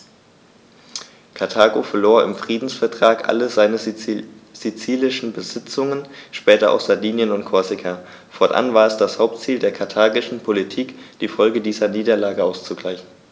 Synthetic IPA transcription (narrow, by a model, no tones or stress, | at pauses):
kʰaɐtʰaːɡofɛɐloːɐɪ̰mfʁ̥iːdn̩sfɛɐtʁ̥aːkʔa̰ləzaɪnə | z̥it͡siːlɪʃn̩bəzɪt͡sʊŋənʃpɛːtɐʔa̰ʊxz̥aɐdiːnjənʊnt̚kʰɔɐzɪkʰa | fɔɐtʔa̰nvaːɐɛsd̥ashaʊp̚tt͡siːldeːɐkʰaɐtʰaːɡɪʃn̩pʰolitʰiːkd̥iːfɔlɡədiːzɐniːdɐlaːɡəaʊst͡suɡlaɪçn̩